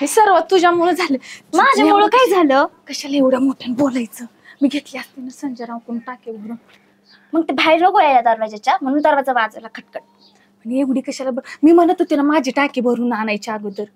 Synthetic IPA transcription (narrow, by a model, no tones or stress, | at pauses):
esəɾʋət̪ːud͡ʑamoɭəd͡zʱaləmad͡ʑʱamoɭəkaid͡zʱaləkəɕalaeʋɽjamoʈʰanbolajt͡səː | miːɡʱet̪liast̪inəsənd͡zəɾãw̃kunuʈakibʱəɾuːn | məɡ̚t̪ibʱajɾnəɡojajlad̪əɾʋad͡ʑat͡ɕam̤əɽ̃uːnd̪əɾʋat͡səʋad͡zalakʰəʈ̚kəʈ̚ | məɳeʋɽiːkəɕalabmiːm̤ənlət̪ut̪ilamad͡ʑʱiʈakibʱəɾuːnanajt͡ɕaɾɡəd̪əɾ